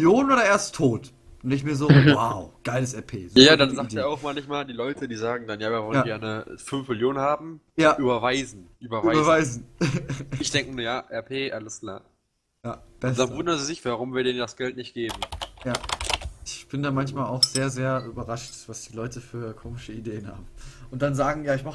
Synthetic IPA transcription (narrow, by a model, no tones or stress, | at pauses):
ljoːnənʔoːɾɐʔeːɐstʰːoːt | ʊndɪçmiːɐzoːwaʊɡ̥aɪləs̬ɛɐpʰḛːzojaːdanzaːk̚deːɐaʊxmaːlnɪçmaːldiːlɔʏtədiːzaːɡŋ̩danjaːviːɐvɔljanːɡɛɐnəfʏnfmɪljoːnənhaːbm̩ | jaːʔyːbɐvaɪzn̩ʔyːbɐvaɪbɐvaɪzn̩ | ɪçd̥ɛŋkənuɐjaːʔɛɐpʰeːʔaləskʰl̥a̰ː | jaːb̥ɛsd̥anvʊndɐnziːzɪçv̥aʁʊmviːɐdeːndasɡ̥ɛltnɪçt̚ɡ̥eːbm̩jaːʔɪçb̥ɪndaːmançmaːlaʊxz̥eːɐzeːɐʔyːbɐʁaʃtv̥asd̥iːlɔʏtəfyːɐkʰoːmɪʃəideːənha̰ːbm̩ʔʊntd̥anzaːɡŋ̩jaːɪçmaχ